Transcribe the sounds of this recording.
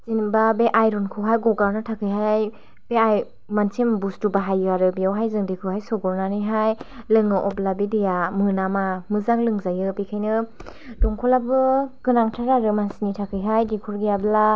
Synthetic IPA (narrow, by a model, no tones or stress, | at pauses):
zinbabeʔajɾɔnkʰɔɦajɡɔɡawnɯtʰakʰɯjɦaj | b̥eaj | mansembustubaɦajɯaɾɯbijawɦajzɯŋdikʰɯhajsɔɡɔɾnanɯjɦajlɯŋɯʔɔblabidijamɯnamamɯzaŋlɯŋzajɯpikʰajnɯ | dɔŋkʰɔlabɯkɯnaŋtʰaɾaɾɯmansinitʰakʰɯjɦajdikʰɔɾɡijabla